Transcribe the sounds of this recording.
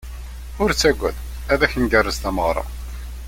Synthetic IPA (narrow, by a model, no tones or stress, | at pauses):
ʊɾt͡sːæɡʷːæð | æðæçənɡærˤːəzt̪æməʁɾˤɑ̰